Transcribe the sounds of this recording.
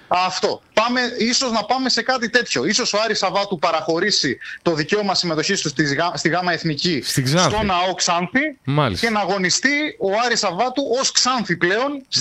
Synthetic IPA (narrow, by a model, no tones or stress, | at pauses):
ɐft̪o̞pɐme̞iso̞znɐpɐme̞se̞kɐt̪it̪e̞t̪ço̞iso̞soɐɾisɐvɐt̪upɐɾɐxo̞ɾisit̪o̞ðice̞omɐsime̞t̪o̞çist̪ust̪izɐst̪iɣɐmɐe̞θnicisist̪o̞nɐo̞ksɐnθimlsce̞nɐːɣo̞nist̪io̞ɐɾisɐvɐt̪uʔo̞sksɐnθiple̞o̞n